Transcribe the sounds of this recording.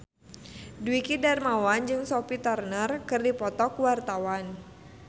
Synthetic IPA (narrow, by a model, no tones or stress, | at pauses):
dwikidarmawand͡ʒɨŋsɔpit̪arnərkɨrdipɔt̪ɔkwart̪awan